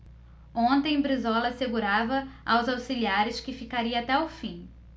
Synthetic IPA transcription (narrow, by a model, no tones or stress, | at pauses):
õnt̪ẽj̃bɾizɔlɐseɡuɾavɐawzawsiliaɾɪskɪfikaɾiɐat̪ɛawfĩ